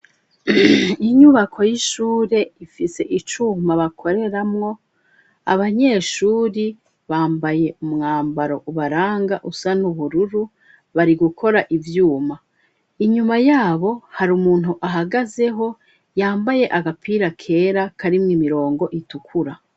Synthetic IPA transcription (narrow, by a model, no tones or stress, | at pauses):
iɲuβakʰo̞jiʃuːɾe̞ifise̞ʔit͡ʃumaβakʰo̞ɾe̞ɾamŋo̞ | a̰βaɲe̞ʃuːɾi | βaːmbaje̞umŋaːmbaɾo̞ʔuβaɾaːŋɡaʔusanuβuɾuɾu | βaɾiɡukʰo̞ɾaʔivjuːma | iɲumajaːβo̞haɾumuːn̥ɦuʔaɦaɡaze̞ɦo̞ | jaːmbaje̞ʔaɡapʰiːɾakʰe̞ːɾakʰaɾimŋimiɾo̞ːŋɡo̞ʔitukʰuɾa